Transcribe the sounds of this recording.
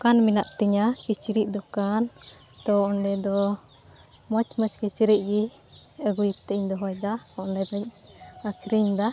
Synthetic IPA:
kanminaʔt̪ɛɲakit͡ʃiɾiʔ̚d̪ɔkan | t̪ɔɔɳɖɛd̪ɔ | mɔt͡ʃmət͡ʃkit͡ʃiɾiʔ̚ɡi | əɡujit̪ːɛʔiɲd̪ɔɦɔjd̪aɔɔɳɖɛd̪ɔɲ | akʰɾiɲd̪a

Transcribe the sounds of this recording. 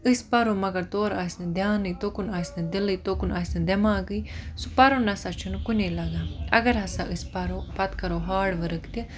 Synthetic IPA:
ɨspaɾomɐɡɐɾt̪oːɾaːsnɐd̪jaːnɨjt̪okunaːsnɐd̪ɪlɨjt̪okunaːsʲnɐd̪ɛmaːɡɨjsupaɾoːnɐsat͡ʃʰunkunelaɡaːɐɡɐɾɦɐsaʔɨspaɾopɐt̪kɐɾoːɦaːɽʋəɾəkt̪i

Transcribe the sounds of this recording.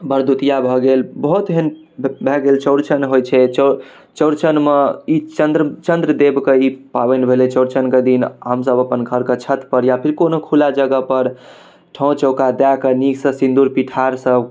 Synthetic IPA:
bəɾd̪ut̪ijabʱɔɡelbəɦut̪ɦen | bʱɛɡelt͡ʃəʊɾt͡ʃənɦojt͡ʃʰɛt͡ʃ | t͡ʃəʊɾt͡ʃənmeit͡ʃənd̪ɾt͡ʃənd̪ɾəd̪ebkeipa̰bɛnbʱelet͡ʃəʊɾt͡ʃənked̪inɦəmsəbəpənɡʱəɾkət͡ʃʰət̪pəɾjapʰiɾkonokʰulad͡ʒəɡəpəɾ | ʈʰɔ̃t͡ʃəʊkad̪akeniksə̃sĩnd̪uɾpiʈʰaɾsə

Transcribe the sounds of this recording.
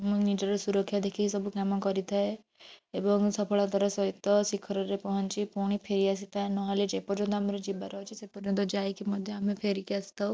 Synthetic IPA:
mũnid͡ʒɔɾɔsuɾɔkʰːjad̪ekʰisɔbukamɔkɔɾit̪ʰae | ebɔŋsɔpʰɔɭad̪ʱɔɾɔsɔɦit̪ɔsikʰɔɾɔɾepɔɦɔnt͡ʃipuɽ̃ipʰeɾias̬it̪ʰaenɔɦɔled͡ʒepɔɾd͡ʒɔnt̪ɔamɔɾɔd͡ʒibaɾɔɦɔt͡ʃʰisepɔɾd͡ʒɔnt̪ɔd͡ʒajkimɔd̪ʱjɔamepʰeɾikiasi̥t̪ʰaw

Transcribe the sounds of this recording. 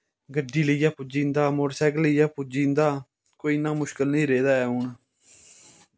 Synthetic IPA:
ɡəɖːiːləiːjaːpʊd͡ʒĩːnd̪aːmoɾsɛːɡləiːjaːpʊd͡ʒĩːnd̪aː | koːiːnãːmʊʃkəlnəĩːɾeːd̪aːɛːʊɳ

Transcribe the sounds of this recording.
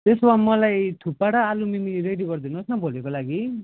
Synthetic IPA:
t̪eswamʌlajt̪ʰupaɽaːlumimiiɾeɖiɡʌrd̪ʱinosnʌbʱolekolaɡi

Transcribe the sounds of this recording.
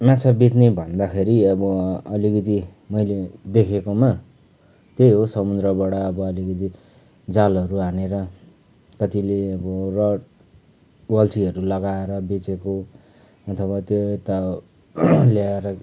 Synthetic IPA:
mat͡sʰabit̪nebʱʌnd̪akʰeɾiʌbʌʌlikʌt̪i | mʌjled̪ekʰekoma | t̪ejɦosʌmud̪ɾʌbaɽʌːbʌːlikʌt̪i | d͡zalʌɾuɦaneɾʌ | kʌt̪ileʌbʌrʌʈ | wʌlt͡siʌɾulʌɡaeɾʌbet͡seko | ʌt̪ʰʌβat̪joet̪a | ljaeɾʌ

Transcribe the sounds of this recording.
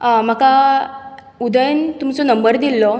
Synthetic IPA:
m̤əka | ud̪əjənt̪umt͡sɔnəmbəɾd̪ilːɔ

